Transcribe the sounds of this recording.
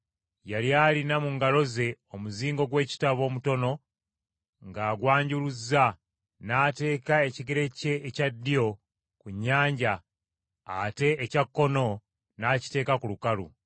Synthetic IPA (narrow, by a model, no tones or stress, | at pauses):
jaljaːlinamuŋɡalo̞ze̞o̞muziːŋɡo̞ɡwe̞ːci̥taβo̞ːmuto̞no̞ | ŋɡaːɡwaːɲɟuluzːa | naːte̞ːkae̞ciɡeɾe̞ce̞ːcadːio̞ | kuɲːaːɲɟaː | te̞ːcakːo̞no̞ | naːci̥te̞ːkakulukalṵ